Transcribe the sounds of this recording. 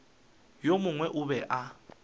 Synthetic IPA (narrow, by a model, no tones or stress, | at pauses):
jomʊŋwɛʔʊβɛʔa